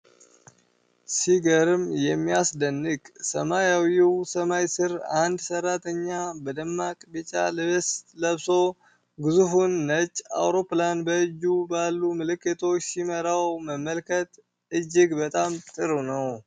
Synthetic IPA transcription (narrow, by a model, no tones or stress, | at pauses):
siɡəɾɨmjɛmːiasd̪ənːɨkʼsəmajawjiwsəmajsɨɾa̰nd̪sərːat̪ʰəɲːabəd̪əmːakʼbɨt͡ʃʼa̰lɨβesləβso̞ | ɡɨzufunːət͡ʃʼːa̰wɾo̞planbəɨd͡ʒːubalːumɨlɨkːɨt̪ʰo̞t͡ʃːsiməɾawməmːəlkʰət̪ | ɨd͡ʒːɪɡbət̪ʼamt̪ʼɨɾunəw